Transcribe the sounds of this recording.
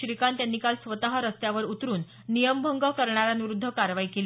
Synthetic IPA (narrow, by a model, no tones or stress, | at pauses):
ɾikant̪janːikalsʋət̪aɦəɾəst̪jaʋəɾut̪ɾuːnː | ijəmbʱəŋɡakəɾɳaɾanuʋɾud̪ʱːəkaɾʋaikel